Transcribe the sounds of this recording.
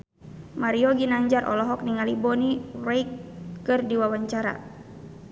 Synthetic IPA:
maɾiɔɡinaɲd͡ʒarʔɔ̰lɔɦɔk̚niŋalibɔnirɛjkːɨrdiwawaɲt͡ʃaɾa̰

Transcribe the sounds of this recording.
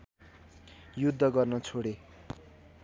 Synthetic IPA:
jud̪ʱːʌɡʌrnʌt͡sʰoɽe

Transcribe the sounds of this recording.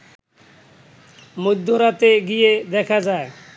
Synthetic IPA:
mud̪ʱːoɾat̪eɡijed̪ɛkʰad͡ʑae

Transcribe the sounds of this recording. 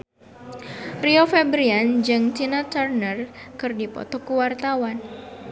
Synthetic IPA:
riofebɾiand͡ʒɨŋt͡ʃinat̪arnərkɨrdipɔ̰t̪ɔkuwart̪awan

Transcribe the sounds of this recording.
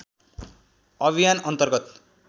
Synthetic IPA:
ʌbʱijanʌnt̪ʌrɡʌt̪

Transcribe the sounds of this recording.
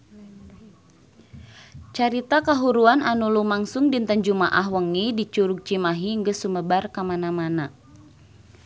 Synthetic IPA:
t͡ʃaɾit̪akaɦuɾuananulumaŋsʊŋdint̪əɲd͡ʒumaʔaɦwəŋidit͡ʃuɾuk̚t͡ʃimaɦiŋɡəsuməbarkamanamana

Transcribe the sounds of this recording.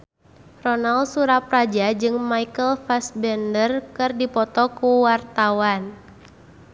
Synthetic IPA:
rɔnalsuɾaprad͡ʒad͡ʒɨŋmaikəlfasbɛndərkɨrdipɔt̪ɔkuwart̪awan

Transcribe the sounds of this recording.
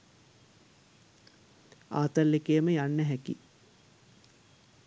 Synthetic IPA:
a̰ːt̪əllekejəməjanːəɦækḭ

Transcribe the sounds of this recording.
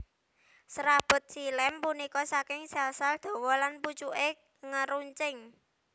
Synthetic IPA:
sɾab̥ɔ̤t̪̚silɛmpunikɔsakɪŋsɛlsald̪̥o̤wɔlanput͡ʃuʔe | ŋəɾuɲt͡ʃɪŋ

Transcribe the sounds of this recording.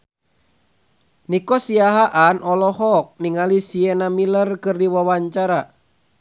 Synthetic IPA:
nikɔsiaɦaʔanʔɔlɔɦɔk̚niŋalisiɛnamilərkɨrdiwawaɲt͡ʃaɾa

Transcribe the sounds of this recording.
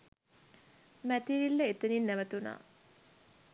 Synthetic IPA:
mæt̪iɾilːəet̪əninːæʋət̪una̰ː

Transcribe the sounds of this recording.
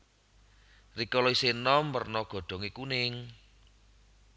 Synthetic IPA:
rikɔlɔisenɔmpərnɔɡ̥ɔ̤ɖ̪̥ɔ̤ŋikunɪŋ

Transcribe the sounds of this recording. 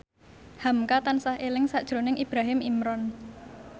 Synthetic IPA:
hamkat̪ansahelɪŋsaʔd̥ʒ̥ɾo̤nɪŋʔib̥ɾaɦɪmimɾɔn

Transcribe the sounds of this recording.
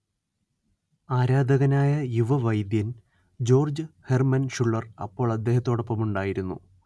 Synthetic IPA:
aːɾaːd̪ʱɐɣɐnaːjɐjuʋɐʋɐjd̪jɐn | d͡ʑo̞ːrd͡ʑɨhermɐnʂuɭːɐrɐ̰pːo̞ːɭɐd̪ːe̞ːɦɐt̪ːo̞ːɽopːɐmuɳɖaːjiɾunːṵ

